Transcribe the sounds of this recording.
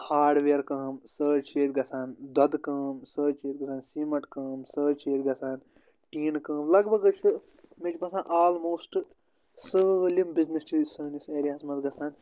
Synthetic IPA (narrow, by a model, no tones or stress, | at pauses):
haːɖʋeːɾkɐːmsəːt͡ʃʰeːt̪̚ɡɐsaːnd̪ɐd̪kɐːmsəːt͡ʃʰeːt̪̚ɡɐsaːnsimɐʈkɐːmsəːt͡ʃʰeːt̪̚ɡɐsaːn | ʈiːnkɐ̃ːmlɐɡbɐɡɨt͡ʃʰɨ | met͡ʃpɐsãːnʔaːlmoːsʈ | səːlimbiznist͡ʃʰisəːniseːɾijaːsmɐzɡɐsaːn